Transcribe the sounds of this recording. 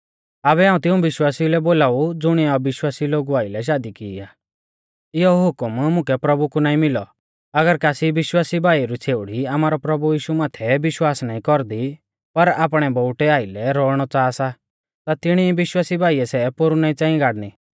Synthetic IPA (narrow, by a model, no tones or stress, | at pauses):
aβɛaːũt̪ɪ̃ũbɪʃwaːsilɛboːlaːud͡zʊɽ̃iɔbɪʃwaːsiloːɡuaːɪlɛʃ̬aːd̪ikɪːaː | ɪɔɦʊkmmʊ̃kɛpɾɐbukunaːĩmɪlɔ | ɐɡəɾkaːsibɪʃwaːsibʱaːiɾut͡sʰeːʊɽ̤iamaːɾɔpɾɐbujiːʃumaːt̪ʰɛbɪʃwaːsnaːĩkɔɾd̪i | pɐɾaːpɽ̃ɛbɔʊʈɛaːɪlɛɾɔːɽ̃ɔt͡saːsa | t̪at̪ɪɽ̃ibɪʃwaːsibʱaːiɛsɛpoɾunaːĩt͡sãːĩɡaːɽni